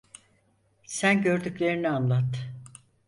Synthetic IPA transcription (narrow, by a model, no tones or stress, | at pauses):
sænɟø̞ɾd̪yclʲe̞ɾinianlˠat̪ː